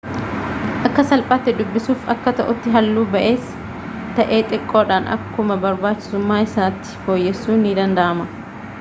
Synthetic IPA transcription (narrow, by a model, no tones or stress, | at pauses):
ʔɐkːɐsɐlpʼaːt̪ːɪd̪ʊbːɪsuːfɐkːɐt̪ɐʔʊt̪ːɪɦɐlːuːbɐʔe̞ːs | t̪ɐʔe̞ːt̪ʼɪkʼːo̞ːᶑanʔɐ̰kːʊmɐbɐɾbaːt͡ʃːɪ̥sʊmːaːɪsaːt̪ːɪ̥fo̞ːjːɛsːuːnid̪ɐnd̪ɐʔɐmɐ